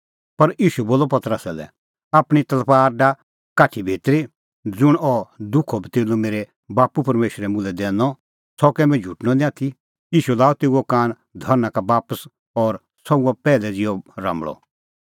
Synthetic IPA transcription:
pɐɾiːʃuboːlɔpɐt̪əɾəsalɛ̰ | aːpɽ̃it̪ɐlpaːɾɖa | kaːʈʰibʱiːt̪ɾi | d͡zʊɽ̃ɔd̪ʊkʰːɔbʱit̪eːlomeːɾɛ | baːpupɐɾmeːʃɾɛmʊ̃lɛd̪ɛːnɔ | sɔkɛmɛ̃d͡ʒʱuʈnɔnĩaːt̪ʰi | iːʃulaːɔt̪eːuokaːn | d̪ʱɔɾnakabaːpəs | ɔɾ | sɔuapɛːlɛd͡zɪjɔɾã̰mbɭɔ̰

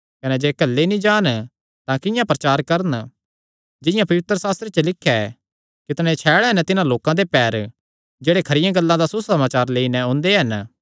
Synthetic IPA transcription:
kɐnɛd͡ʒeːkɐlːenĩd͡ʒaːn | t̪ãkɪ̃jãpɾɐt͡ʃaːɾkɐɾən | d͡ʒɪ̃jãpɐʋɪt̪ɾəsaːst̪ɾet͡ʃəlɪkʰːɛ | kɪt̪ñet͡ʃʰɛːɽɛɦɐnt̪ɪnãloːkãd̪epɛːɾ | d͡ʒeːɽekʰɐɾɪjãɡɐlːãd̪asusɐmaːt͡ʃaːɾleːinɛõːnd̪eɦɐn

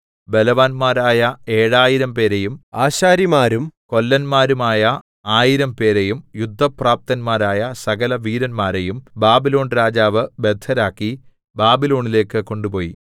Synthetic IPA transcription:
belɐʋaːnmaːɾaːjɐe̞ːɻaːjiɾɐmpe̞ːɾejumaːɕaːɾimaːɾumko̞lːɐnmaːɾumaːjɐ | aːjiɾɐmpe̞ːɾejumjud̪ʱːɐpraːp̚t̪ɐnmaːɾaːjɐsɐɡɐlɐʋiːɾɐnmaːɾejumbaːbilo̞ːɳɾaːd͡ʑaːʋɨbed̪ʱːɐɾaːkːi | baːbilo̞ːɳile̞ːkːɨko̞ɳɖupo̞ːjḭ

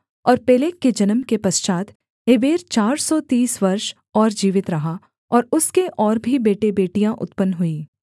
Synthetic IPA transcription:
ɔːɾpɛːleːkːed͡ʒɐnəmkepɐst͡ʃaːt̪ | ɦebeːɾt͡ʃaːɾsɔt̪iːsʋɐɾʃ | ɔːɾd͡ʒiːʋɪt̪ɾɐɦa | ɔːɾʊskeʔɔːɾbʱibeːʈebeːʈijãʔʊ̰t̪pənɦʊiː

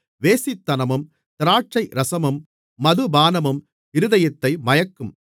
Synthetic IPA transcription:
ʋeːsɪt̪ːɐnɐmɯm | t̪ɪɾaːʈ̚t͡ʃɐɪɾɐsɐmɯmː | ɐðɯbaːnɐmɯm | ɪɾɯðɐjɐt̪ːɐɪmɐjɐkːɯm

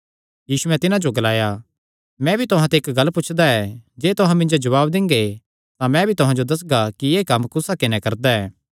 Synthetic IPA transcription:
jiːsuɛ̃t̪ɪnãd͡ʒoɡɐlaːja | mɛ̃bʱit̪ʊɦãt̪eːkɡɐlːpʊt͡ʃʰd̪aɛd͡ʒeːt̪ʊɦãmɪ̃nd͡ʒod͡ʒɐʋaːbd̪ɪ̃ŋɡe | t̪ãmɛ̃bʱit̪ʊɦãd͡ʒod̪ɐs̬ɡakieːkɐmkʊsakɪnɛkɐɾd̪aɛː

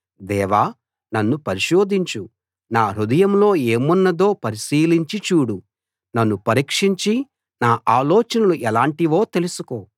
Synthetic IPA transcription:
d̪ɛːʋaː | nɐnːupɐɾiʃo̞ːd̪iɲt͡ʃu | naːɾud̪ɐjɐmlo̞ːe̞ːmunːɐd̪o̞ːpɐɾiʃiːliɲt͡ʃit͡ʃuːɽu | nɐnːupɐɾiːkʂiɲt͡ʃi | naːʔaːlɔːt͡ʃɐnɐluʔɛlaːɳʈiʋo̞ːt̪e̞lusuko̞ː

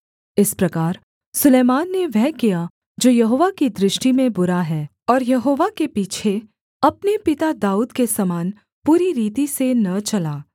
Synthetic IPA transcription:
ɪspɾɐkaːɾ | sʊleːmaːnːeʋɛɦkija | d͡ʒoːjɐɦoːʋakid̪ɾɪʃʈimẽbʊɾaɦɛː | ɔːɾjɐɦoːʋakepiːt͡ʃʰe | ɐpnepɪt̪ad̪aːuːd̪kesɐmaːn | puːɾiɾiːt̪isenɐt͡ʃɐlaː

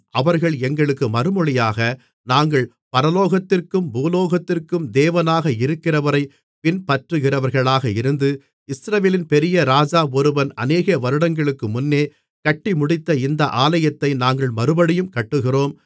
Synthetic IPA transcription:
ʔɐʋɐɾɣɐɭɛŋɡɐɭɯkːɯmɐɾɯmɔɭɪjaːɣɐ | naːŋɡɐɭ | pɐɾɐloːɣɐt̪ːɪrkɯmbuːloːɣɐt̪ːɪrkɯmd̪eːʋɐnaːɣɐɪɾɯkːɪrɐʋɐɾɐɪ | pɪnpɐʈrɯɣɪrɐʋɐɾɣɐɭaːɣɐɪɾɯnd̪ɯ | ɪsɾɐʋeːlɪnpɛɾɪjɐɾaːd͡ʒaːɔɾɯʋɐnɐ̰neːɣɐʋɐɾɯɽɐŋɡɐɭɯkːɯmʊnːeː | kɐʈːimʊɽɪt̪ːɐɪnd̪ɐʔaːlɐjɐt̪ːɐɪnaːŋɡɐɭmɐɾɯbɐɽɪjɯmkɐʈːɯɣɪroːm

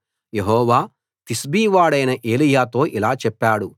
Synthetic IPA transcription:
jeɦɔːʋaː | t̪isbiːʋaːɽɐjnɐʔe̞ːlijaːt̪o̞ːʔilaːt͡ʃɛpːaːɽu

